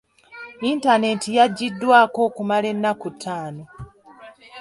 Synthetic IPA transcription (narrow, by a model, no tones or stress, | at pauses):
intane̞tijaɟːidːwaːko̞ːkumale̞nːakutʰːaːno